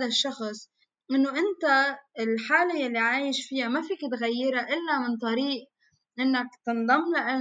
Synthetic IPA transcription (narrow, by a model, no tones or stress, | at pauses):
d̪aʃːɑxsˤ | ʔɪnːoʔɪnt̪aɪlħaːlajalːiʕaːjɪʃfɪjamafiːkɪt̪ɣajːɪɾaʔɪlːamɪnt̪ˤɑɾiːʔ | ʔɪnːakt̪ɨnd̪ˤɑmːlaʔa